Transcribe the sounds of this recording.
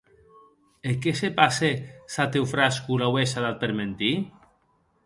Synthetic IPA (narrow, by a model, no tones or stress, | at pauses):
ekesepasesat̪ewfɾaskulawesaðat̪̚peɾment̪i